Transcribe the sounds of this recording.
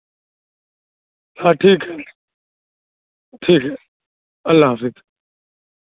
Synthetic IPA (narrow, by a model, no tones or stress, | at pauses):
haːʈʰiːkɦɛː | ʈʰiːkɦɛː | əlːaːɦfɪk